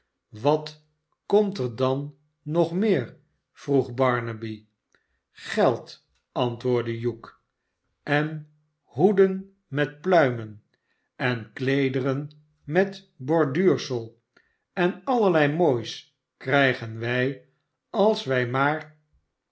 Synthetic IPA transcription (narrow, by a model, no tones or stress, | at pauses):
ʋɑt | kɔmtəɹdɑnː | ɔχmɪːɹ | v̥ruχbɑɹnəbi | χɛlˠt | ɑntʋʊːɹdəjuk | ɛn | ɦudən | mɛtplœɥmən | ɛnklejdərən | mɛt | bɔɹdyːɹsəlˠ | ɛnɑləlɛjmoːjs | krɛjχənʋɛj | ɑlˠsʋɛjmaːɹ